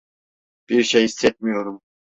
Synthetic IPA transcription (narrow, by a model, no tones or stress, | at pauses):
b̥iɾʃejisːɛt̪̚mijo̞ɾum